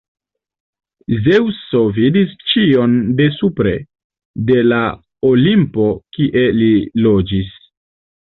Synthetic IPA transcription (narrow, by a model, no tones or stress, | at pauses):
zewso̞vidist͡ʃio̞nde̞supɾe̞ | de̞la | olimpo̞kiʔe̞lilo̞d͡ʒis